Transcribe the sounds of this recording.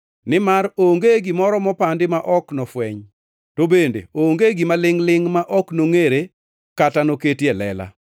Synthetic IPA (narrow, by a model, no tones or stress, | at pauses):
nɪmaɾoŋɡeɡimɔɾɔmɔpandɪmaʔɔknɔfwɛɲ | tobendḛoŋɡeɡimalɪŋlɪŋmaʔɔknoŋeɾe | katanoketjelɛ̰la̰